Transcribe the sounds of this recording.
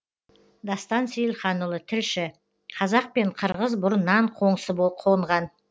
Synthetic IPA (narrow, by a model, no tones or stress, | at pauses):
d̪ɑst̪ɑnsʏjɪlχɑnʊlˠət̪ʰɪlʃɪ | qʰɑzɑq̚pe̞ɴqʰəɾʁəzbʊɾnɑɴqʰo̞ɴsəboqʰoəɴʁɑn